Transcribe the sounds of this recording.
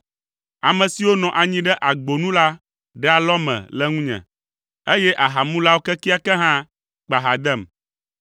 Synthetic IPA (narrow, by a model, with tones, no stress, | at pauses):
a˨mɛ̃˨si˨wo˦nɔ̃˨ʔa˨ɲĩ˦ɖɛ˦ʔa˨ɡ͡bo˨nũ˦la˦ | ɖɛ˦a˨lɔ˦mɛ̰̃˨lɛ˦ŋũ˦ɲɛ̰̃˨ | e˦jɛ˦ʔa˨ɦa˨mũ˦la˦wo˦kɛ˦ki˦a˦kɛ˦ɦã˦ | k͡pa˨ɦa˨d̪ɛ˦˨m